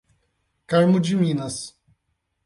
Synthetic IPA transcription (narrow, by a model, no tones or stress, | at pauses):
kaɾmʊd͡ʒimĩnɐs